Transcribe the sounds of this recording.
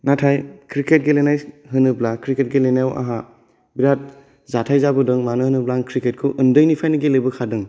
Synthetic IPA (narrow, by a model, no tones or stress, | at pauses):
natʰajkʰɾiket̚ɡelenajɦɯnɯblakʰɾiket̚ɡelenajwa̰ɦa | biɾat̚ | zatʰajzabɯdɯŋmanɯhɯnɯblaŋkʰɾiket̚kʰɯʔɯndɯjnipʰajnɯɡelɯjbɯkʰadɯŋ